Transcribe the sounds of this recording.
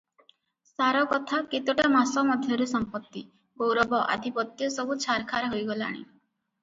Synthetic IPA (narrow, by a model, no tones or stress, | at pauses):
saɾɔkɔt̪ʰaket̪oʈamasɔmɔd̪ʱjɔɾusɔmpɔt̪ːi | ɡowɾɔbɔʔa̰d̪ʱipɔt̪jɔsɔbut͡ʃʰaɾkʰaɾɔɦojɡɔla̰ɽ̃ḭ